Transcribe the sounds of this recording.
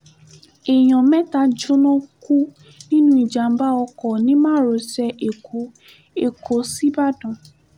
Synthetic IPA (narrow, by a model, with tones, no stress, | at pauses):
e˨j̃ɔ̃˨mɛ̃˦ta˧d͡ʒo˦nɔ̃˦ku˦ | nĩ˦nũ˦i˨d͡ʒa˨m̩˦ba˦ɔ˧kɔ˨nĩ˨˦mãː˦˨ɾo˨˦sɛ˧ʔe˨kʰo˨˦ | e˨kʰo˨˦si˦ba˦dɔ̃˨